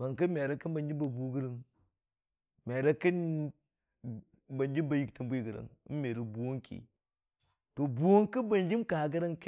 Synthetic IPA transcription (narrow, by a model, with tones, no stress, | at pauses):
ba˨ŋkə˦me˨ɾa˦ki˦nba˨nd͡ʒi˦ba˨bu˨ɡə˦ɾə˨ŋ | me˨ɾa˦ki˦n | ba˨nd͡ʒi˦ba˨ji˦˨ktə˨mbu˦i˨ɡə˨ɾa̰˨ŋ˦me˨ɾi˨bu˨wo˦ŋkʰḭ˨ | to˨bu˨wo˦ŋkə˦ba˨nd͡ʒi˦mka˨ha˨ɡə˦ɾa˦ŋk